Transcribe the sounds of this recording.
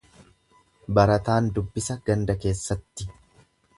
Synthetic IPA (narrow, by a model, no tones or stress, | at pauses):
bɐɾɐt̪aːnd̪ʊbːɪsɐɡɐnd̪ɐke̞ːsːɐt̪ːɪ